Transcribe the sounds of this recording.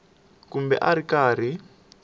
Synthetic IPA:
kumbɛ̰ʔaɾikaːr̤i

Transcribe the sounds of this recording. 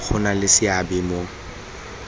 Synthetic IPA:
k͡xʰʊnalɪsɪabɪmo

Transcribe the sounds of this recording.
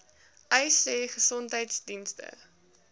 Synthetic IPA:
ʔəjseːχəsɔntɦəjtsdinstə̰

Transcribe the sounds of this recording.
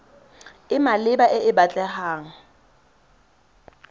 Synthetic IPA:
ɪmalɪbaʔɪɪbat͡ɬʼɛhaːŋ̩

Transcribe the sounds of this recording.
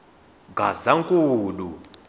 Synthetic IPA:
ɡʱazaŋkʼuːlu

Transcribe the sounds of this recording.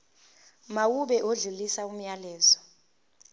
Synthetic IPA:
mawuɓɛʔoɮulisaum̩jalɛːzɔ

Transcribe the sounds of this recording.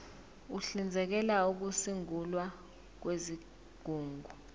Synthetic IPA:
uɬind͡zʱɛk̬ɛlauk̬usiŋulwa | k̬wezi | ɡ̥ʱuːŋɡʱu

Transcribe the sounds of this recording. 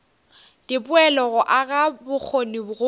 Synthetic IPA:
dɪpʊɛlɔɣʊʔaɣabʊk͡xʰonibʊɣʊ

